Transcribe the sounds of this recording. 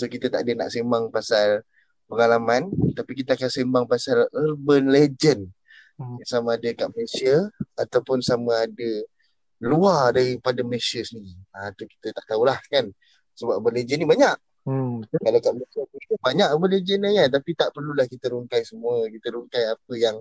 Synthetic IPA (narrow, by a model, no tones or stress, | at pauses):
sokit̪ət̪a̰ʔadəna̰ʔsembaŋpasal | pəŋalamant̪apikit̪aakansembaŋpasalərbənled͡ʒən | samaːdəkaʔməlesiəat̪awpʊnsamaːdə | luardaɾipadaməlesiəsəniat̪uki̥t̪ət̪aʔt̪aulahkan | səbapbəled͡ʒənːibaɲaʔ | kalawkaʔməlesiəit̪ubaɲaʔbənled͡ʒənlajant̪apit̪aʔpərlulahkit̪əɾuŋkajsəmuəkit̪əɾuŋkajap̚əjaŋ